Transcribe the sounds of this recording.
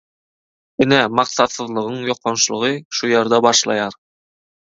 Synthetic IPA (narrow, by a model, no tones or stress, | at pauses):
ɘnæmɑqsɑt̪sɤ̆ðlˠɤ̆ʁɤɴjoqːonʃlˠɤ̆ʁɤʃujeɾd̪æbɑʃlˠɑ̰jɑɾ